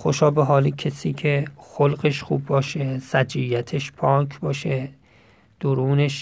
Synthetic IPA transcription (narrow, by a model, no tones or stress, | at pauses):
xoʃɒːbeɦɒːlikʰesiːkʰexolɢeʃχṵːbːɒːʃesæd͡ʒijæt̪ʰeʃpʰɒːkʰbɒːʃe | d̪̥oɾuːneʃ